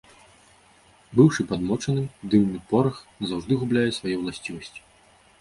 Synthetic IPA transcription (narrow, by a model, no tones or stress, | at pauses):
bɨwʂɨpad̪mɔt͡ʂɐnɨd̪ɨmnɨpɔɾɐxzawʐd̪ɨɣublʲajɛsvajɛwlˠasʲt͡sʲivɐsʲt͡sʲi̥